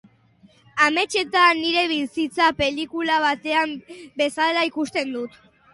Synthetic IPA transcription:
ame̞t͡ʃe̞t̪aniɾe̞βisit͡sape̞likulaβ̞at̪e̞ambe̞salaikust̪e̞nd̪ut̪

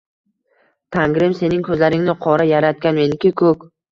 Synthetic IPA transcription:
t̪ʰaŋɡɾɪmse̞nɪŋkʰɵzlaɾɪŋnɪqʰɒɾajaɾat̪̚kʲanme̞nɪkʲɪkʰɵkʲ

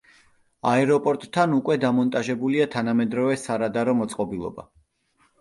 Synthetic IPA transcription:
aɛɾɔpʼɔɾt̪ʼʰːanukʼwɛd̪amɔnt̪ʼaʒɛbuliat̪ʰanamɛd̪ɾɔvɛsaɾad̪aɾɔmɔt̪sʼqʼɔbilˠɔ̰ba̰

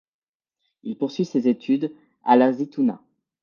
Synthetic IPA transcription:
ilpuʁsɥisezet̪ʰyd̪ | a̰lazit̪una̰

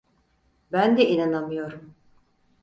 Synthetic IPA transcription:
bænd̪ɛinanamɯjo̞ɾum

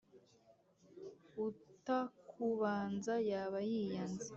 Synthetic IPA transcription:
utakʰuβaːnzajaːβajijanzi

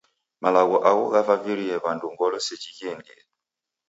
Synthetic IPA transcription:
malaɣɔʔakɔɣafaviɾiɛβanduŋɡɔlɔsɛt͡ʃikɛndɛ̰

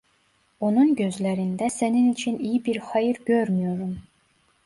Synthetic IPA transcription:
onuŋɡøzlæɾind̪æsæninit͡ʃʰinijbiɾxɑjiɾɡʲøɾmijoɾum

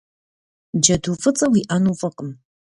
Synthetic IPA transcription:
d͡ʒɐduːfɨt͡sʼɐwiʔanufɐqʼəm

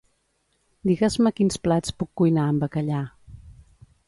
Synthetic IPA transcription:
d̪iɣəzməkinsplat͡spukːujnaəmbəkəʎa

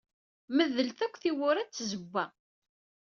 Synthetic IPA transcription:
məðəlθækʷːθiwʊɾæt͡sːzəbːæ

